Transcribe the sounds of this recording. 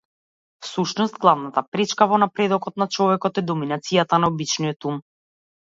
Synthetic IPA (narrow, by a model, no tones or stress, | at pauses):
fsuʃnɔst̪̚ɡlˠavnat̪apɾɛt͡ʃkavɔnapɾɛd̪ɔkɔt̪nat͡ʃɔvɛkɔt̪ɛd̪ɔminat̪sijat̪anaɔbit͡ʃnijɔt̪um